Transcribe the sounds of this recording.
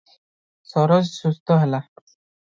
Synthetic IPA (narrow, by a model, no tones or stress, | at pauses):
sɔɾɔd͡ʑsust̪ʰɔɦɛla